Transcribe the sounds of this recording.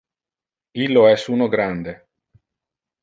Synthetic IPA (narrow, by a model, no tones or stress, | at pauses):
ilːoɛsuːnoɡɾand̪e